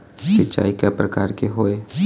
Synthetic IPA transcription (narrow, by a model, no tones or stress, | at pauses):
ʃɪtːt͡ʃa̰ːikepɾɐkaːɾkeɦoːeː